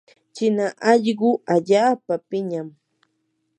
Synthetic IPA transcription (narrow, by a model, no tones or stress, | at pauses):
t͡ʃɪnaʔɑʎɢʊaʎaːpapɪɲam